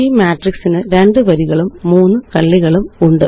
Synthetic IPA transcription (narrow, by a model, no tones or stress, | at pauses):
imjaːʈriksinɨɾe̞ɳɖɨʋɐɾiɣɐɭumːuːnːɨkɐɭːiɣɐɭumuɳɖɨ